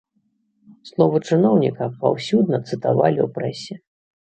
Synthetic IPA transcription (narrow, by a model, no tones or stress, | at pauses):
slˠɔvɐt͡ʂɨnɔwnʲḭkɐpa̰wsʲud̪nɐt̪sɨt̪avalʲḭwpɾɛsʲɛ